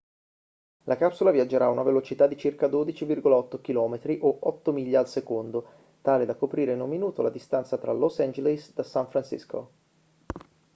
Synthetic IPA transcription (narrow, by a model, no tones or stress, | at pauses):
lʔakapsulavjad͡ʒːeɾaːunavelot͡ʃit̪ad̪ːit͡ʃirkad̪oːd̪it͡ʃivirɡolaɔt̪ːok̟ilɔːmet̪ɾiʔoʔɔt̪ːomiʎːaːlsekond̪o | t̪aːled̪akːopɾiːɾeinumːinuːt̪olad̪ist̪ant̪sat̪ɾa̰lɔsɛnd͡ʒelisd̪asaɱfɾansḭsko̰